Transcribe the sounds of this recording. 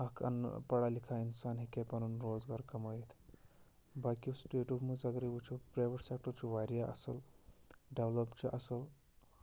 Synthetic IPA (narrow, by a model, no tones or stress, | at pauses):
ɐkʰɐ̰n̰pɐɽalikʰainsaːnɦikepɐnunɾoːd͡zɡaːɾkɐmajet̪ʰ | bakʲusʈeːʈumud͡zɐɡɾiʋut͡ʃʰupɾeʋəɾsek̚ʈəɾt͡ʃuʋaɾjaʔɐ̰səl | ɖeʋlopt͡ʃiʔɐsəl